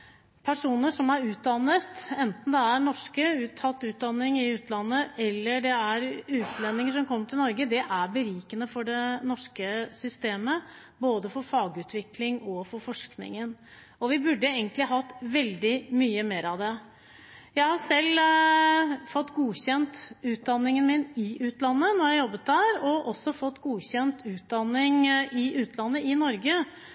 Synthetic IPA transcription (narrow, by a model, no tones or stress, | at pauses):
pʰæʂuːnəʂɔmæɾʉːt̪̚d̪ɑnːət̪ɛnt̪n̩d̪ɛæɳɔʂkəʉːt̪ʰːɑt̪ːʉːt̪̚d̪ɑnːɪŋɪʉːt̪lɑnːəʔɛlːəɖɛæɾʉːt̪lɛnːɪŋəʂɔmkʰɔmːəʈʰɪlnɔɾɡəd̪ɛʔæɾbəɾiːkənəfɔɖɛnɔʂkəsʏst̪eːmə | boːd̪əfɔɾfɑːɡʉːt̪ʰʋɪklɪŋɔfɔɾfɔʂknɪ̰ŋən | ɔʋɪbʉɖːəeɪɡənt̪lɪɦɑt̪ːʋɛld̪ɪmyːəmeːɾɑʋd̪ɛ | jæɪhɑsɛlː | fɔt̪ːɡuːçɛnt̪ʉːt̪̚d̪ɑnːɪŋənmɪnɪʔʉːt̪lɑnːənɔɾjæɪjɔbːət̪̚d̪æːɾɔʔɔsːɔfɔt̪ːɡuːçɛnt̪ʉːt̪̚d̪ɑnːɪŋʔɪʔʉːt̪ʰlɑnːəɪnɔɾɡə